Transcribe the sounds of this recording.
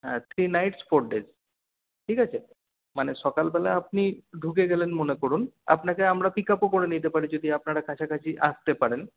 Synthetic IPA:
ɦɛ̰̃t̪ʰɾinajʈsfoɾɖez | ʈʰikat͡ɕʰe | maneʃɔkalbɛlaap̚niɖʱukeɡɛlenmonekoɾuna̰pnakeamɾapikapokoɾenit̪epaɾid͡ʑod̪iapnaɾakʰat͡ɕʰakat͡ɕʰiʔast̪epaɾen

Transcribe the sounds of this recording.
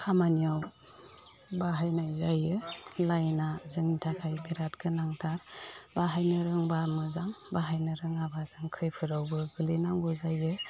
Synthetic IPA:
kʰamaniaw | baɦajnajzajɯlajnazɯŋnitʰakʰajbiɾat̚kʰɯnaŋtʰaɾbaɦajnɯɾɯŋbamɯzambaɦajnɯɾɯŋabazɯŋkʰɯjpʰɯɾawbɯɡɯlinaŋɡɔzajɯ

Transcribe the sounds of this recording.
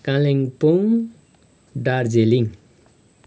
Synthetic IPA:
kãleŋpoŋ | ɖard͡zeliŋ

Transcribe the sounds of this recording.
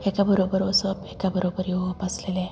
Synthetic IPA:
ekabəɾobəɾosɔbekabəɾobəɾjoopaslele

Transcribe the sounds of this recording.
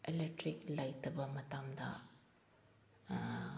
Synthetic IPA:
elek̚ʈɾiklɐjt̪ɐbɐmɐt̪aːmd̪a̰

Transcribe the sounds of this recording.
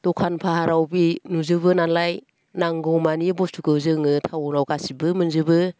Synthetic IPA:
tɔkʰanpʰahaɾawbinuzɯβɯnanlaj | naŋɡɔmanibɔstʰukɯzɯŋɯtʰawɾawkasibɯmɯnzɯbɯ

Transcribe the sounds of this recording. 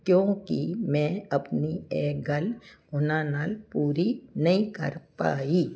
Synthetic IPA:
kjõːkimɛ̃ɐpnieːɡɐlʊnanaːlpuːɾinɐɦĩkɐ̰ɾpa̰ːiː

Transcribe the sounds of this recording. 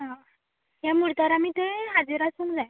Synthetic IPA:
ɦã | ɦjamuɽt̪aɾamit̪ẽɦad͡ziɾasuŋd͡zaj

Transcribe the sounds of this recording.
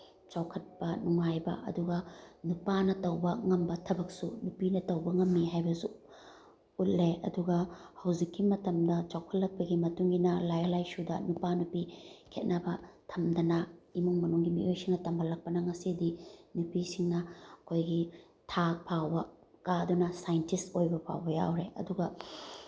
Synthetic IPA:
t͡ʃawkʰɐt̚pɐnuŋajbɐ̰ʔɐ̰duɡɐnupanɐtɐwbɐŋɐmbɐtʰɐbɐk̚sunupinɐtɐwbɐŋɐmːiɦajbɐsu | ut̚leɐ̰duɡɐhɐwzikːimɐtɐmdɐt͡ʃawkʰɐt̚lɐk̚pɐɡimɐtuŋɡinɐlajɐlajsudɐnupanupikʰet̚nɐbɐtʰɐmdɐnɐimuŋmɐnuŋɡimḭʔojsiŋnɐtɐmbʱɐlːɐk̚pɐnɐŋɐsidinupisiŋnɐɐkʰojɡi | tʰak̚pʰawbɐ | kaɐdunɐsajntistojbɐpʰa̰wbɐja̰wɾeʔɐ̰duɡɐ

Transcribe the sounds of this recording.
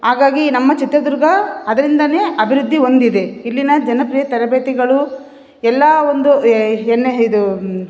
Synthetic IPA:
ɦaːɡaːɡinɐmːɐt͡ʃit̪ɾɐd̪uɾɡɐɐd̪ɐɾind̪ɐne̞ːʔɐbʱiɾud̪ʱːio̞nd̪id̪e̞ilːinɐd͡ʒɐnɐpɾijɐt̪ɐɾɐbeːt̪iɡɐɭu | ɛlːɐond̪uɛnːeid̪u

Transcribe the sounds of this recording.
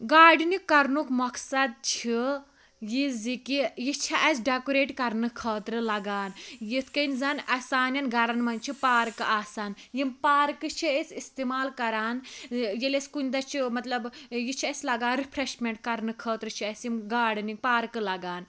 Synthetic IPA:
ɡaːɖɨnikːɐɾnukmɐksɐd̪̚t͡ʃʰi | jizikijit͡ʃʰiɐsɖakuɾeːʈkɐɾnɨkʰɐːt̪ɾɨlɐɡaːnjit̪ʰkɐnzɐnɐsaːnjɐnɡaɾanmɐnʲt͡ʃʰipaːɾkɨaːsaːnjimpaːɾkɨt͡ʃʰiɐsist̪imaːlkɐɾaːnjelʲeskunʲd̪ɐt͡ʃʰimɐt̪lɐbjit͡ʃʰiɐsʲlɐɡaːnɾipʰɾeʃmʲeɳʈ̚kɐɾnɨkʰəːt̪ɾɨt͡ʃʰiɐsjimɡaːɖɨniŋɡ̚paːɾkɨlɐɡaːn

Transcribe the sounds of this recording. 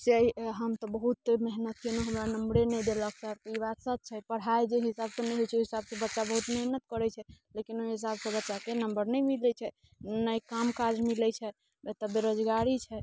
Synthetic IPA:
seəiɦəmt̪ɔbəɦut̪meɦnət̪̚kenoɦəmɾanəmɽenɛjd̪elək̚səɾt̪əibat̪sət̪̚t͡ʃʰɛpəɽ̤ajd͡ʒeɦisabsə̃nɛjɦojt͡ʃʰoɦisabsẽbətːʃabəɦut̪meɦnət̪̚kəɾɛt͡ʃʰɛlekinoɦis̬absə̃bətːʃakenəmbəɾnɛjmilɛt͡ʃʰɛ | nəjkamkad͡ʒmilɛt͡ʃʰɛ | et̪əbeɾod͡ʒɡaɾit͡ʃʰɛ

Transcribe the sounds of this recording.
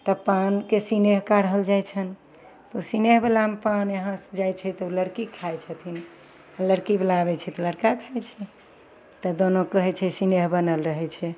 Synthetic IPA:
t̪əpankesineɦkaɾəɦəld͡ʒajt͡ʃʰən | t̪usineɦbelamepanəɦãsd͡ʒajt͡ʃʰɛt̪ɔuləɽkikʰajt͡ʃʰət̪ʰin | aləɽkiblabɛt͡ʃʰɛt̪ɔləɽkakʰajt͡ʃʰɛ | t̪ɔd̪onokəɦɛt͡ʃʰɛsineɦbənəlɾəɦɛt͡ʃʰɛ

